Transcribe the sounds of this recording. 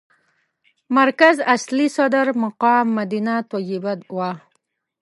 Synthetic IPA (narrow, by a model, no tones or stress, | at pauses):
maɾkazaslisɔd̪əɾmaqɑːmːad̪inat̪ɔjibad̪wa